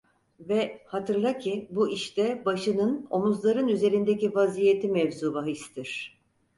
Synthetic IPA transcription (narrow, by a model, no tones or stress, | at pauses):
vɛhat̪ʰɯɾlˠacʰibuʔiʃt̪ʰɛbaʃɯnɯno̞muzlˠaɾɯnyze̞ɾind̪ecivazijet̪ʰimɛvzuːbaɦist̪ʰiɾ̥